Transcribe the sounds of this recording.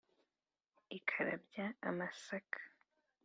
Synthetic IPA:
ikʰaɾa̰bjaamasakʰ

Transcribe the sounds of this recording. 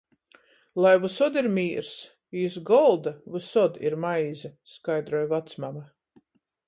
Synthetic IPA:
lˠajvusɔd̪iɾmʲiːɾs | iːsɡɔlˠd̪avusɔd̪iɾmajzaskajd̪ɾɔjvat̪smama

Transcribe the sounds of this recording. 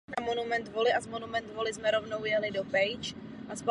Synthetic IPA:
amo̞numɛnt̪vo̞lɪʔazmo̞numɛnt̪vo̞lɪzmɛɾo̞vno̞wjɛlɪdo̞pɛjt͡ʃ | ʔasp

